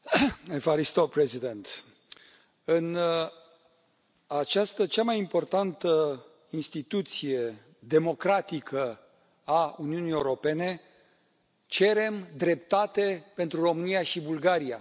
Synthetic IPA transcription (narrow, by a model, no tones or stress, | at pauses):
efaɾist̪opɾezid̪ent̪ | ɨn | at͡ʃast̪ət͡ʃamajimpo̞rt̪ant̪ə | inst̪it̪ut̪sije̞ | d̪e̞mo̞kɾat̪ikʰə | auniunijeuɾo̞pe̞ne̞ | t͡ʃe̞ɾe̞md̪ɾe̞pt̪at̪e̞pe̞nt̪ɾuro̞mɨnijaʃibulɡaɾia